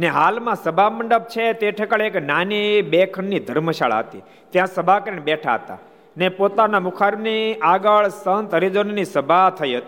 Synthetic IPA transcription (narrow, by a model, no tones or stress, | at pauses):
neɦalmãsəbʱaməɳɖəb̚t͡ʃʰet̪eʈʰəkəɭeknanibekʰəɳːid̪ʱəɾməʃa̰ɭa̰ɦət̪ḭ | t̪jãsəbʱakəɾiɳbɛʈʰa̰ɦət̪a̰ | nepot̪anamukʰaɾniaɡəɭsənt̪əɾid͡ʒonnisəbʱat̪ʰəiɦət̪ii